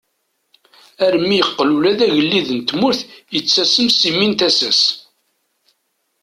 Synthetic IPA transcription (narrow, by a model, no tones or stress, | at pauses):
æɾmːijəqːlulæðæʝəlːiðənt̪mʊɾθjət͡sːæsəmsimint̪æsæs